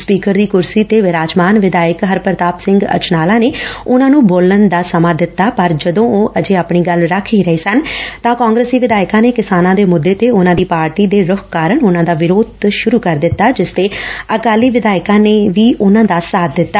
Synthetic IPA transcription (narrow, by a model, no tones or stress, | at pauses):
spiːkəɾd̪iːkʊɾsiːt̪eːʋɪɾaːd͡ʒmaːnʋɪd̪aːɪəkɦəɾpəɾt̪aːpsɪ̃ŋɡə̰t͡ʃnaːlaːneːʊnãːnũːboːlənd̪aːsəmãːd̪ɪt̪ːaːpəɾd͡ʒəd̪õːoːʔəd͡ʒeːaːpɳiːɡəlɾəkʰiːɾəiːsənt̪ãːkãːŋɡɾeːsiːʋɪd̪aːɪkãːneːkɪsaːnãːd̪eːmʊd̪ːeːt̪eːʊnãːd̪iːpaːɾʈiːd̪eːɾʊkʰkaːɾəɳʊnãːd̪aːʋɪɾoːd̪ʃʊɾuːkəɾd̪ɪt̪ːaːd͡ʒɪst̪eːəkaːliːʋɪd̪aːɪkãːneːʋiːʔʊnãːd̪aːsaːd̪ɪt̪ːaː